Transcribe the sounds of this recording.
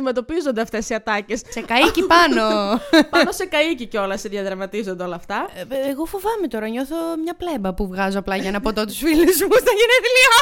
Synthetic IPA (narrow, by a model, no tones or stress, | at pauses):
ime̞t̪o̞pizo̞nd̪eɐft̪e̞siɐt̪ɐce̞ssekɐicipɐno̞pɐɐno̞se̞kɐiciceo̞lɐseðʝɐðɾɐmɐt̪izo̞nd̪eo̞lɐːft̪ɐeɣo̞fovɐmet̪o̞ɾɐɲo̞θo̞mɲɐplebɐpuvɣɐzoɐplɐʝɐnɐpot̪o̞t̪usfilizmust̪ɐʝinet̪liɐ